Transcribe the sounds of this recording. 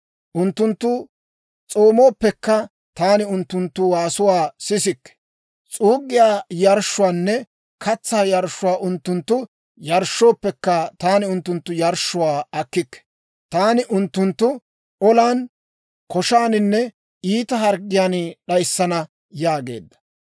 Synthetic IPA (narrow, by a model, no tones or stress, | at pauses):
ʔʊnt̪ːʊnt̪ːʊ | t͡sʼoːmo̞ːpːɛkːɐ | t̪aːnɪʊnt̪ːʊnt̪ːʊwaːsʊwaːsɪsɪkːɛ̥ | t͡sʼuːɡːɪjaːjɐɾʃːʊwaːnːɛ | kɐt͡sːaːjɐɾʃːʊwaːʔʊnt̪ːʊnt̪ːʊ | jɐɾʃːo̞ːpːɛkːɐt̪aːnɪʊnt̪ːʊnt̪ːʊjɐɾʃːʊwaːɐkːɪkːɛ̥ | t̪aːnɪʔʊnt̪ːʊnt̪ːʊ | ɔlaːn | kɔʃaːnɪnːɛ | iːt̪ɐɦɐɾɡɪjaːnɗɐjsːɐnɐ | jaːɡe̞̰ːd̪ːɐ̥